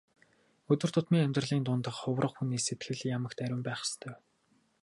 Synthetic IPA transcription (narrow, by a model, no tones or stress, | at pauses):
ɵt̪ɵ̆rt̪ʰʊt̪miːŋæmʲt̪rə̆ɮiːnt̪ʊnt̪ə̆qχʊwrə̆χxuniːset̪ɡɘ̆ɮjamə̆kt̪æɾʲʊ̆mpæːχə̥̆st̪ʰœːw